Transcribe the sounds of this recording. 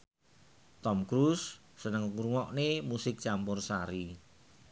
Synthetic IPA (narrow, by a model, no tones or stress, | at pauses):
t̪ɔmkɾusː | ənəŋuɾuŋɔʔnemusɪk̚t͡ʃampʊrsaɾi